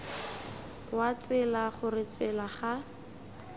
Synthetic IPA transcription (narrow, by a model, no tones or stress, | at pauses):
wat͡sɪlaχʊrɪt͡sɪlaχa